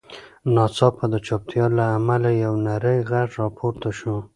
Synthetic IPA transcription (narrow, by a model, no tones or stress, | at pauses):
nɑsɑpad̪ət͡ʃɑp̚t̪jɑlaːmalajawnaɾəjɣaʈɾɑpʰoɾt̪aʃu